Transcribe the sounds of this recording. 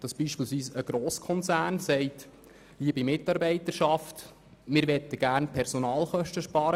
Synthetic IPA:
d̪̥ɑsb̥iːʃpilsʋiːsəɡ̥ɾoːskʰɔnt͡sæːnsɛɪt | liəbimɪtːɑːɾbɛɪt̪əɾʃɑft̪ | mɪɾʋɛt̪ːəɡ̥æːrnpʰɛɾsonɑːlχœʃtəʃpɑːɾə

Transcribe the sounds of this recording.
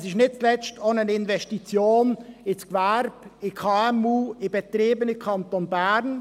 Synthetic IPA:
sɪʃnɪt̚t͡slɛt͡stʰoːnənɪnvɛstit͡sjoːnɪt͡skvæɾb̥ɪkʰɑɛmuːɪb̥et̪ɾiːbənɪkʰɑnt̪onbæɾn

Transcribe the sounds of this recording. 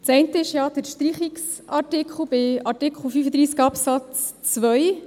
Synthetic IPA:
t͡sɛɪntəɪʃjɑːd̥̪əɾʃtɾiχiks | ʔɑtɪkʰl̩ˠb̥ɪɑtɪkʰl̩fyːfəd̪ɾiːsɡɑpsɑt͡st͡sʋœj

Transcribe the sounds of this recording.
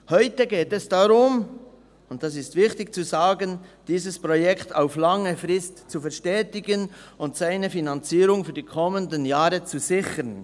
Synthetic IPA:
hɔʏtəɡeːtɛsd̥aɾʊm | ʊntd̥as̬ɪstvɪçtɪkt͡suzaːɡənd̥iːzəspʁojɛktʰaʊflɑŋəfʁɪstt͡sufɛɐʃtɛːtɪɡənʊntsaɪnəfinant͡siːɾʊŋfyːɐdiːkʰɔməndənjaːɾət͡suzɪçən

